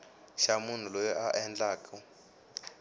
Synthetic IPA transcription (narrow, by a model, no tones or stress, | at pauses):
ʃamun̤ulɔjɔʔaʔɛnd͡ɮaːkɔ